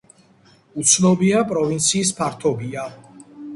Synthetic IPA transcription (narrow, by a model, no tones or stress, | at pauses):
ut̪sʰnɔbiapʼɾɔvint̪sʰiːs̬pʰaɾt̪ʰɔbia